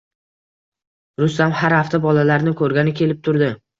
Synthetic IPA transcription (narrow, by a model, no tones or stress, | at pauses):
ɾʊst̪amhaɾhaft̪abɒlalaɾnɪkʰɵɾɡʲanɪkʲʰe̞lɪp̚t̪ʰʊɾd̪ɪ